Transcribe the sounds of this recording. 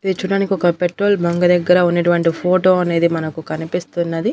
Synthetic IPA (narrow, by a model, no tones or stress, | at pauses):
id̪it͡ʃuːɽaːnikiɔkɐpeʈɾo̞ːlbʱɐŋɡɐd̪ɛɡːɐɾɐunːɐʈuʋɐɳʈipʰoːʈo̞ːɐne̞ːd̪imɐnɐkukɐnipist̪unːɐd̪i